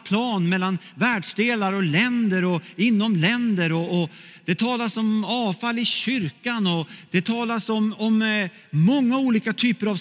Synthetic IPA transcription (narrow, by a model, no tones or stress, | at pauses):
pʰlɑːnmɛlːan | væːɖʂd̪eːlaɾɔlɛnd̪əɾɔɪnːɔmlɛnd̪əɾɔː | d̪ɛt̪ʰɑːlasɔmɑːfalːɪɕʏɾkanɔd̪̥ɛt̪ʰɑːlasɔmɔmː | ɔŋːauːliːkat̪ʰyːpəɾav